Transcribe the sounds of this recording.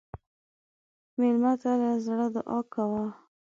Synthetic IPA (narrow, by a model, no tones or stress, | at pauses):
melmat̪alazɽəd̪əʔɑkːawa